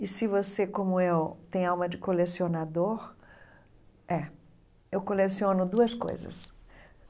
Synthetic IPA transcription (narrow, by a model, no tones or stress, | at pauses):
ɪsɪvosekõmʊewt̪ẽj̃awmɐd͡ʒɪkolesionad̪oɾ | ɛ | ewkolesiõnʊd̪uɐsko̰jzɐ̰s